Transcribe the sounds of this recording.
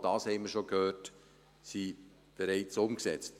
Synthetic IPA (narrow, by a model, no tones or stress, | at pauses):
d̥ɑːshɛɪməɾʃokhøːt | si | b̥eɾɛɪt͡sʊmksɛt͡st